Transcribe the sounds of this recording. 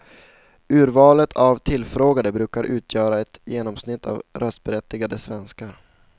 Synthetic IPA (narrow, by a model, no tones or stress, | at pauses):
ʉ̟ːɾvɑːlət̪ʰavt̪ʰɪlːfɾoːɡad̪əbɾʉ̟ːkaɾʔʉ̟ːt̪ʰjœːɾaɛt̪jeːnɔmsnɪt̪ʰːa̰vɾœst̪̚bɛɾɛt̪ːɪɡad̪əsvɛnskaɾ